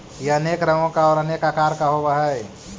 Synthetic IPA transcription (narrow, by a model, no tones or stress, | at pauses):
jeəneːkɾəŋõkaɔːɾənekakaːɾkaɦobaɦɛ